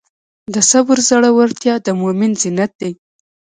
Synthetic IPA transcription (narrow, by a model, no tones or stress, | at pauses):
d̪əsabʊɾzaɽawaɾt̪jɑd̪əmomɪnzɪnat̪̚d̪ej